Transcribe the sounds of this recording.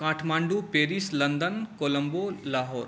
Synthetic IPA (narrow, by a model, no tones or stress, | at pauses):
kãːʈʰmaːɳɖupeːɾislɐnd̪ənkoːlɐmbolaːɦoːɾ